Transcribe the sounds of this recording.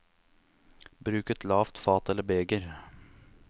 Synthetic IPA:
bɾʉːkət̪lɑːft̪fɑːt̪ɛlːəbeːɡəɾ

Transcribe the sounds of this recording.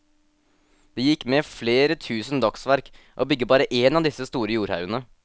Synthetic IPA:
d̪̥ɛːjɪkːmefleːɾət̪ʰʉːsənd̪ɑksʋæɾk | ʔoːbʏɡːəbɑːɾəʔeːnɑːʋd̪ɪsəst̪uːɾəjuːɾhɑ̰ʉənə

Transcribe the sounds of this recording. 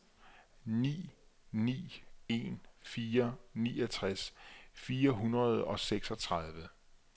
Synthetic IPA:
nḭːnḭːe̝̰nfiːɐniːɒt͡sʰʁasfiːɐɦunʁɐð̞ˠɒ̽seɡ̥sɒ̽t͡sʰʁɑðˠʋə

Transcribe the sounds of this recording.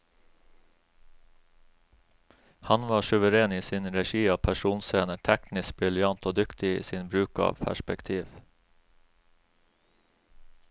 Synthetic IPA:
hɑnʋɑːʃʉʋəɾeːniːsiːnɾɛʃiːɑːpʰæʃuːnseːnəʈʰɛknɪsk̚bɾɪljɑnt̪oːd̪ʏkt̪ɪḭːsiːnbɾʉːkɑ̰ːʋpʰæ̰ʃpɛkt̪ʰiːʋ

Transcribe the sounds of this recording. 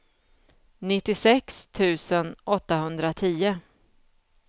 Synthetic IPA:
nɪt̪ːɪsɛkst̪ʰʉ̟ːsənʔɔt̪ːahɵnd̪ɾat̪ʰiːʊ

